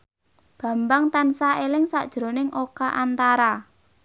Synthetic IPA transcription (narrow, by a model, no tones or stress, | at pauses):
b̥ä̤mbaŋt̪ansaʔelɪŋsa̰ʔd̥ʒ̥ɾonɪŋʔokaʔant̪aɾa